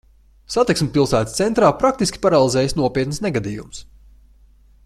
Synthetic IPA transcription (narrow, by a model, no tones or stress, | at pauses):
sat̪iksmʲpilˠsæːt̪st̪sɛnt̪ɾaːpɾak̚t̪iskʲi̥paɾalˠizɛːjsnuɔpʲiɛt̪nsneɡad̪iːjṵms